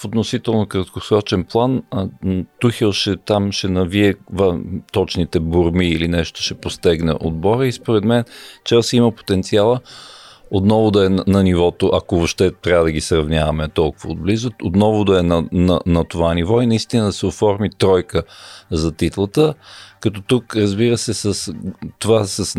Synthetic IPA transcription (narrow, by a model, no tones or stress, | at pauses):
fot̪nosit̪ɛlˠnokɾət̪kosɾɔt͡ʃɛnplˠan | t̪uxɛlˠʃɛt̪amʃɛnɐviɛvɐt̪ɔt͡ʃnit̪ɛboɾmiːlinɛʃt̪ʊ̥ʃɛpost̪ɛɡnɛ̰ʔod̪̚bɔɾəispoɾɛd̪mɛnt͡ʃasiməpo̥t̪ɛnt̪sialˠə | ot̪nɔvʊd̪ɐɛnnɐnivɔt̪oʔɐkovoʃt̪ɛt̪ɾʲavəd̪ɐɡisɾɐvnʲjavɐmɛt̪ɔlˠkʊvəːd̪̚blizʊot̪nɔvʊd̪ɐɛnɐnɐnɐt̪ovanivɔinɐist̪inəd̪ɐsɛofɔɾmit̪ɾɔjkəzɐt̪it̪lˠət̪əkɐt̪ɔt̪ukɾəzbiɾəsɛsəst̪ovasəs